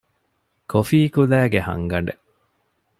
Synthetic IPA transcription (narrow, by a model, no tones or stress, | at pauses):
kʰofiːkulæːɡehɐ̰ŋɡɐɳɖe